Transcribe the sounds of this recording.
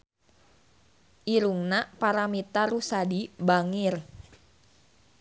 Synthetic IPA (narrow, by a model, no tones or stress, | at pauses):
ʔiɾuŋnapaɾamit̪arusadibaŋɪr